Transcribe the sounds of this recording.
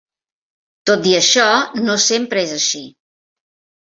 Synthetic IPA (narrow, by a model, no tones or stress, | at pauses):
t̪ot̪iəʃɔnosempɾəezəʃi